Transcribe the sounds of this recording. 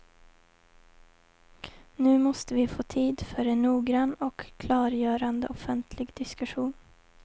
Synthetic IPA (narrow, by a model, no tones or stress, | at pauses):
nʉːmɔst̪əʋiːfoːt̪ʰiːd̪fœɾeːnnuːɡɾɑnɔkkʰlɑːɾjøːɾɑnd̪ə̰ʔɔfənt̪ʰlɪɡd̪̥ɪskʉʃuːn